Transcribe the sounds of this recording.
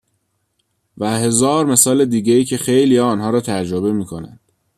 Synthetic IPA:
væɦe̞zɒːɾme̞sɒːled̪iːɟeiːcʰe̞xejlijɒːnhɒːɾɒːt̪ʰæd͡ʒd͡ʒɾobe̞miːkʰo̞næ̰nd̪̥

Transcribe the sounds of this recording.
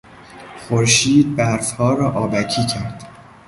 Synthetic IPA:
χoɾʃiːd̪̚bæɾfhɒːɾɒːʔɒːbæcʰiːcʰæɾd̪̥

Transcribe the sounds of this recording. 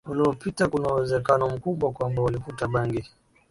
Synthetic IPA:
uliɔpitakunauwɛzɛkanɔm̩kuɓwakwambawalifutaɓaŋɡi

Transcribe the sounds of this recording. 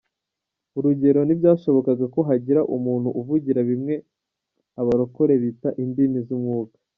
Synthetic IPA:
uɾuɟe̞ɾo̞nibjaːʃo̞βo̞kaɡako̞ɦaɟiɾaʔumuːn̥huʔuvuɟiɾaβimŋe̞ | aβaɾo̞ko̞ɾe̞βitaʔindimizumŋuːkḁ

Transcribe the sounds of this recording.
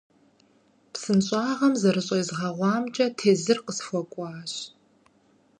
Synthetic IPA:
psɨnɕʼɑːʁɐmzɐɾɨɕʼɐzʁɐʁʷɑːmt͡ʃʼɐtʰeːzɨrqəsxʷɔkʷʼɑːɕ

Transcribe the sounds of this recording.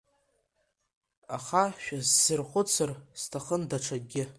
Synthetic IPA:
aχaʃᶣazːɨrχʷʊt͡sʰɨrstʰaχəndaʈ͡ʂʰaɡʲɪ

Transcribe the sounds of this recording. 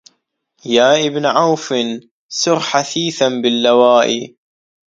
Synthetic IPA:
jaːʔɪbnʕawfɪn | sʊɾħaθiːθanbɪlːawaːʔi

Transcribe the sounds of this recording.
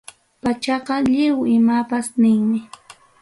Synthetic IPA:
pat͡ʃɑqɑʎɪwɪmapasnɪŋmɪ

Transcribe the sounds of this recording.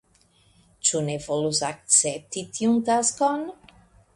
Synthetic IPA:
t͡ʃunevɔluzak̚t͡sɛp̚t̪it̪ʰiunt̪askon

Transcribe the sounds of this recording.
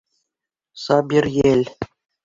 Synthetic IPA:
sɑbʲirjelʲ

